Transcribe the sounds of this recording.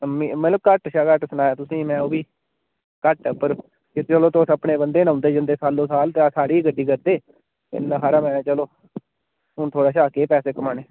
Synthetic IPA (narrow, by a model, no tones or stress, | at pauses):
mimət̪ləb̚kəʈʃaːkəʈsənaːjaːt̪ʊsĩːmɛ̃ːoːbiː | kəʈːpəɾ | ɪt͡ʃəloːt̪oːsəpɳeːbənd̪eːnãːnd̪eːd͡ʒɪnd̪eːsaːlːõːsaːlt̪esaːɽiːɡəɖːiːkəɾd̪eː | ɪ̰nːãːɦaːɾaːmɛ̃ːt͡ʃəloː | ɦʊnt̪ʰoːɽaːʃaːkeːpɛːseːkəmaːneː